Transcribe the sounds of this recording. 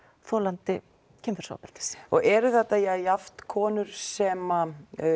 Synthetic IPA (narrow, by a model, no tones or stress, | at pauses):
θɔːlant̪ɪ | cʰɪmfɛɾ̥sa̰pɛlt̪ɪ̥sɔɣɛɾʏθɛt̪ːajɛjaft̪kʰɔːnʏɾ̥sɛːma